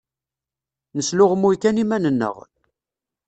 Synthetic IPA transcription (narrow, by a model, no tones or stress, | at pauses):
nəslʊʁəmːujkænimænənːə̰ʁ